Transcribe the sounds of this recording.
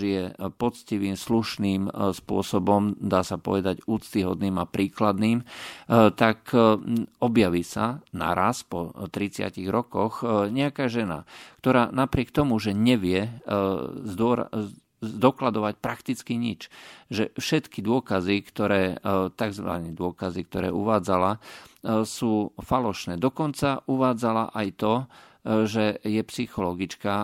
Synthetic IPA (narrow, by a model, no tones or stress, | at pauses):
ʒijɛpɔt͡sciʋiːmsluʃniːmspʊɔsɔbɔmd̪aːsapɔ̰ʋɛd̪aɟuːt͡st̪iɦɔ̰d̪niːmapɾʔiːklad̪niːm | t̪ak | ɔbjaʋiːsa̰na̰ɾaspɔt̪ɾit͡sɪa̰ciɣɾɔkɔxɲɛakaːʒɛna̰kt̪ɔɾaːnapɾɪɛkt̪ɔmuʒɛɲɛʋɪɛ | zd̪ɔ̰ | zd̪ɔklad̪ɔʋac̚pɾakt̪it͡skiɲit͡ʃʒɛfʃɛt̪kid̪ʊɔkazikt̪ɔɾɛːt̪aɡzʋa̰nɛd̪ʊɔkazik̚t̪ɔɾɛ̰ːʔuʋaːd͡zala | suːfalɔʃnɛːd̪ɔkɔnt͡saʔuʋaːd͡zala̰ʔajt̪ɔ | ʒɛjɛpsixɔlɔɡit͡skaː